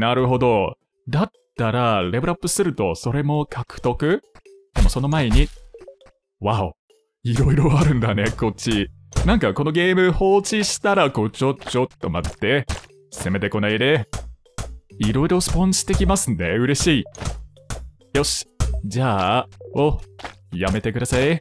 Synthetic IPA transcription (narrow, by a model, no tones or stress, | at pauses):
naɾɯ̟ɦo̞d̪o̞ | d̪at̪ːaɾaɾe̞bɯɾapːɯ̟sɨɾɯ̟t̪o̞so̞ɾe̞mo̞kʰakɯ̟̥t̪o̞kɯ̟ | d̪̥e̞mo̞so̞no̞mae̞ɲ̟i | βao | iɾo̞iɾo̞aɾɯ̟̃nd̪ane̞ko̞t͡ɕːi | nãŋkako̞no̞ɡe̞ːmɯ̟ho̞ːt͡ɕiɕi̥t̪aɾako̞t͡ɕo̞t͡ɕo̞t̪ːo̞mat̪ːe̞ | seme̞t̪e̞ko̞naid̪e̞ | iɾo̞iɾo̞sɨ̥põ̞ɕi̥t̪e̞kʲimasɨne̞ɯ̟ɾe̞ɕiː | jo̞ɕi̥d͡ʑaːojame̞t̪e̞kɯd̪asai